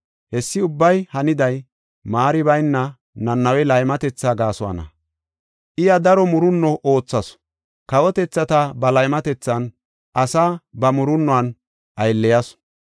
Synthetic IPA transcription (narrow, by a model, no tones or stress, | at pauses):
hɛsːɪʊbːɐjhɐnɪd̪ɐj | maːɾɪbɐjnːɐ | nɐnːɐwɛlɐjmɐt̪ɛt͡sːaːɡaːsʊwɐ̰nɐ̰ | ʔɪjɐd̪ɐɾɔmʊɾʊnːɔʔo̞ːt͡sːɐs | kɐwɔt̪ɛt͡sːɐt̪ɐbɐlɐjmɐt̪ɛt͡sːɐn | ʔɐsaːbɐmʊɾʊnːɔwɐn | ʔɐjlːɛjɐs